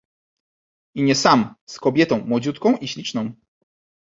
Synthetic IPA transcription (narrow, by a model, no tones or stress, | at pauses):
iɲɛsamskɔbʲjɛt̪ɔ̃w̃mwɔd͡ʑut̪kɔ̃w̃ʔiɕlʲit͡ʂnɔ̃w̃